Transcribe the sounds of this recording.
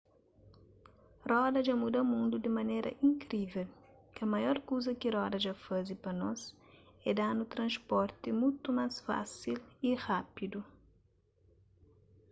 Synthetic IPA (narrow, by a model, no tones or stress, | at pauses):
rɔd̪ɐʒamud̪ɐmũnd̪ud̪ɪmɐnejɾʔɐ̰ʔĩŋkɾivɛl | kɐmɐjɔɾkowzɐkɪɾɔd̪ɐʒafazipɐnɔz | ɛd̪anut̪ɾɐ̃spɔɾt̪ɪmũjt̪umasfa̰siliʁapid̪u